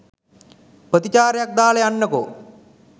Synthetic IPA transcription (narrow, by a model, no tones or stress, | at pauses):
prət̪it͡ɕaːɾejak̚d̪aːlejanːəko